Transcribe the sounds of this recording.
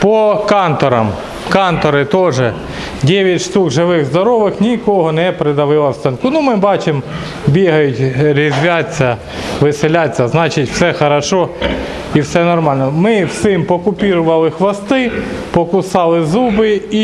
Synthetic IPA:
pɔkɑnt̪ɔɾɐm | kɑnt̪ɔɾɪt̪ɔʒɛ | dʲɛʋʲjɐtʲʃt̪ukʒɪʋɪɣzd̪ɔɾɔʋɪxnʲikɔɦɔnɛpɾɪd̪ɐʋɪlˠɐwst̪ɐnkʊnumɪbɑt͡ʃɪm | bʲiɦɐjʊtʲɾʲizʲʋʲat͡sʲːɐ | ʋɪselʲat͡sʲːɐznɑt͡ʃɪtʲw̥sɛxɐɾɐʃɔ | iwsɛnɔrmɑlʲnɔmɪwsɪmpɔkʊpʲiɾʊʋɐlˠɪxʋɐst̪ɪpɔkʊsɑlˠɪzubɪi

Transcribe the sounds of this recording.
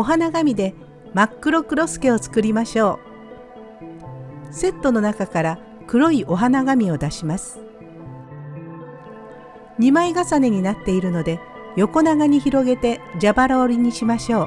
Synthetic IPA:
o̞ɦanaɡamʲid̪e̞ | makːɯ̟ɾo̞kɯ̟ɾo̞sɨ̥ke̞o̞t͡sɨ̥kɯɾʲimaɕo̞ː | se̞t̪ːo̞no̞nakakaɾa | kɯ̟ɾo̞iʔo̞ɦanaɡamʲio̞d̪aɕimasɨ̥ | ɲimaiɡasane̞ɲ̟inat̪ːe̞iɾɯ̟no̞d̪e̞ | jo̞ko̞naɡaɲ̟içiɾo̞ɡe̞t̪e̞d͡ʑabaɾoːɾʲiɲ̟iɕimaɕo̞ː

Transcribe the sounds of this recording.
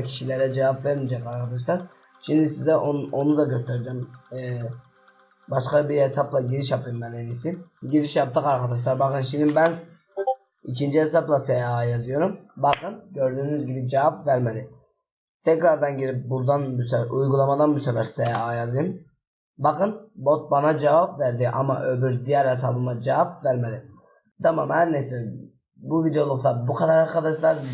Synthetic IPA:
cʰi̥ʃilʲɛɾɛd͡ʒɛvapvæɾmid͡ʒɛkaɾkʰad̪aʃ̬lˠaɾ | ʃimd̪isizɛonud̪aɟøst̪ʰɛɾid͡ʒɛmː | baʃkabiɾhesablˠaɟiɾiʃjapʰɯjɯmbænenisiɟiɾiʃjap̚t̪ɯkaɾkʰad̪aʃ̬lˠaɾbakɯnʃimd̪ibæns | icʰind͡ʒihes̬aplˠasejaːjazɯjo̞ɾumbakʰɯnɟø̞ɾd̪yːnyzɟibid͡ʒɛvapvæɾmelʲi | t̪ʰɛcɾaɾd̪anɟiɾip̚buɾd̪anbysujɡulˠamad̪anbysɛvæɾsejajazɯjɯm | bɑkɯnbo̞t̪̚banad͡ʒɛvapvæɾd̪iʔa̰maʔøbyɾd̪ijæɾhes̬abɯmad͡ʒɛvapvæɾmeli | t̪ʰama̰mhæɾnesil | buvid̪ejolˠukt̪abukʰad̪aɾaɾkʰad̪aʃlˠaɾ

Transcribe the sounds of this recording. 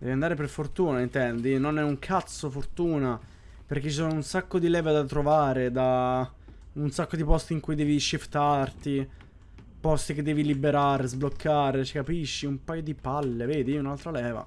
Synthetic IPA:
d̪ɛ̰ːviand̪aːɾeperfort̪uːnaint̪ɛnd̪inonɛuŋkʰat̪sːofort̪uːna | perk̟et͡ʃːisɔnounsakːod̪ilɛːvad̪at̪ɾovaːɾed̪a | unsakːod̪ipɔst̪iŋkujd̪ɛːviʃift̪art̪i | pɔst̪ik̟ed̪ːɛːvilibeɾaːɾezblokʰːaːɾet͡ʃikapiʃːiumpajod̪ipalːeveːd̪iunalt̪ɾalɛːva̰

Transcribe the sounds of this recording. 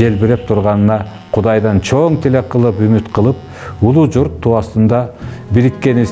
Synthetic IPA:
e̞lbeɾe̞p̚t̪ʰuɾʁɑnɯnɑ | qʰud̪ɑjd̪ɑnt͡ʃʰoŋt̪ʰele̞qʰɯlˠɯpymyt̪qʰɯlˠɯp̚ | ulˠud͡ʒuɾt̪ʰːuɑst̪ɯnd̪ɑbiɾikːe̞ni

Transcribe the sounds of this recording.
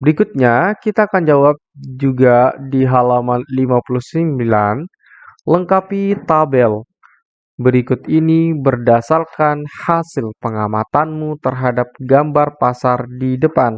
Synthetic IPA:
bəɾikʊt̪̚ɲakit̪aːkand͡ʒawap̚d͡ʒuɡadiɦalamanlimapuluhsimbilan | ləŋkapit̪abɛl | bəɾikʊt̪inibərdasarkanhasɪlpəŋamat̪anmut̪ərɦadap̚ɡambarpasardidəpan

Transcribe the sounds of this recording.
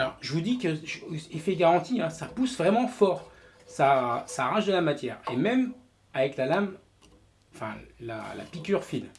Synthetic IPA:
alɔʁʒəvud̪ikəʒifɛɡaʁɑ̃t̪iɛ̃sapusvʁɛmɑ̃fɔʁ | sasaʁɑ̃ʒd̪əlamat̪jɛːʁemɛm | avɛklalam | ɑ̃fɛ̰̃la̰la̰pikʲyʁfid̪

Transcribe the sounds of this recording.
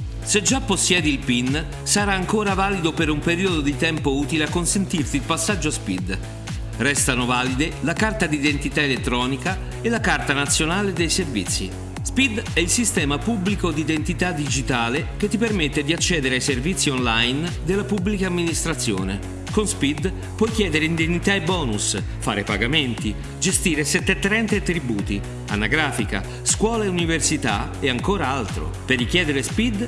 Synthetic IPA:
sed͡ʒːapːosːjɛːd̪iːlpin | saɾaːŋkoːɾavaːlid̪opeɾumpeɾiːod̪od̪it̪ɛmpouːt̪ileakːonsent̪irt̪ilpasːad͡ʒːoaspḭd̪ | rɛst̪anovaːlid̪elakart̪ad̪iːd̪ent̪it̪aelet̪ːɾɔːnika | elːakart̪anat̪sːjonaːled̪ejservḭt̪sːḭ | spid̪ɛilsist̪ɛːmapubːlikod̪id̪ent̪it̪ad̪id͡ʒit̪aːlek̟et̪ːipermet̪ːed̪iat͡ʃːɛːd̪eɾeajservit̪sːionlajnd̪elːapubːlikaːmːinist̪ɾat̪sːjo̰ːne | konspid̪ | pwɔjkjɛːd̪eɾeind̪enːit̪aebːɔːnusfa̰ːɾepaɡament̪i | d͡ʒest̪iːɾesɛt̪ːɛt̪ːɾɛnt̪eat̪ːɾibuːt̪i | a̰nːaɡɾaːfika̰ | skwɔːlaeuniversit̪a | eaŋkoːɾaalt̪ɾo̰perːik̟jɛːd̪eɾespid̪

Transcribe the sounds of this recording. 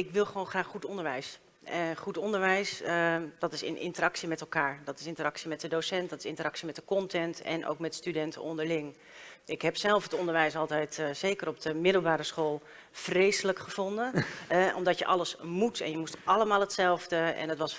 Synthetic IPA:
ɪkʋɪlˠχəʋoːnχraːχχutɔndəɹʋɛjs | χutɔndəɹʋɛjsdɑtɪsɪ̰nʔɪ̰ntəɾɑksimɛtɛlˠkaːɹdɑtɪ̥sɪ̃ntəɾɑksimɛt̚dədowsɛntdɑtɪ̥sɪntəɾɑksimɛt̚əkɔntɛntɛ̰nʔo̰wkmɛtstydɛntʰəɔndəɹlɪŋ | ɪkɦɛpsɛlˠfətɔndəɹʋɛjsɑlˠtɛjtsejkəɾɔp̚dəmɪdəl̩ˠbaːɾəsχolˠ | frejsələkχəv̥ɔndənɔmdɑtjəʔɑləsmutɛ̰njəmustʔɑləmaːlˠɦətsɛlˠvdəɛ̰nətʋɑs

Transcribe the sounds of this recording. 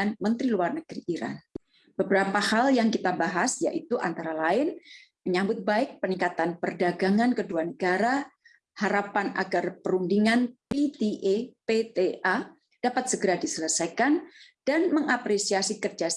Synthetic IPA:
anmənt̪ɾiluarnəɡ̥ɾiʔiɾa̰n | b̥əbəɾapahaljaŋkit̪abaɦasja̰ʔit̪uʔa̰nt̪aɾalaɪn | məɲambʊt̪̚baɪk̚pənikat̪anpərdaɡaŋankəduanəɡaɾa | haɾapana̰ɡarpəɾundiŋanpit̪eʔepet̪eʔa | d̥apat̪̚səɡəɾadisələsajkand̥anməŋapɾesiasikərd͡ʒa

